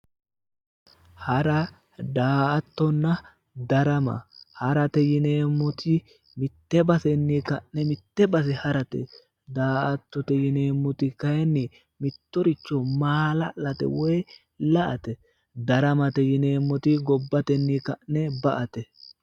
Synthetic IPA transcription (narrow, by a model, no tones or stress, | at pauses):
hɐɾɐ | d̪aːɐt̪ːɔnːɐ | d̪ɐɾɐmɐ̰hɐɾɐt̪ɛjɪneːmːɔt̪ʰɪ | mɪt̪ːɛbɐsɛnːikɐʔnɛmɪt̪ːɛbɐs̬ɛhɐɾɐt̪ɛ̰ | d̪aːʔɐt̪ːɔt̪ɛjɪneːmːɔt̪ɪkɐjɛnːɪ | mɪt̪ːɔɾɪt͡ʃːɔmaːlɐlɐt̪ɛ̰wɔj | lɐʔɐt̪ɛ | d̪ɐɾɐmɐt̪ɛjɪneːmːɔt̪ɪɡɔbːɐt̪ɛnːikɐʔnɛbɐʔɐt̪ɛ